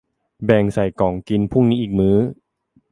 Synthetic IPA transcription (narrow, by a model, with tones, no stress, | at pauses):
bɛː˨˩ŋsa˨˩jkɔː˩˦ŋki˧npʰu˥˩ŋniː˦˥ʔiː˨˩k̚mɯː˦˥